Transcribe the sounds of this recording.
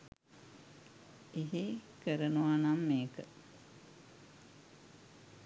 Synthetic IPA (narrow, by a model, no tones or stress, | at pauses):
eɦekəɾənuʋanamːeːkə